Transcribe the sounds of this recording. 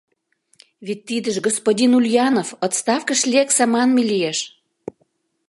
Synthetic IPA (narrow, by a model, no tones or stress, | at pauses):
vit̚ʲt̪ːid̪əʒɡospodʲinulʲjɑnofot̪st̪ɑfkəʃlʲieksɑmɑnmelijeʃ